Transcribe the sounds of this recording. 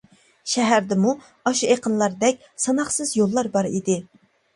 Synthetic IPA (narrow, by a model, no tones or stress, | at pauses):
ʃɛɦæɾd̪ɪmu | ɑʃueqʰənlˠɑɾd̪ɛk̚ʲsɑnɑχsɨzjolˠːɑɾbɑɾid̪ɪ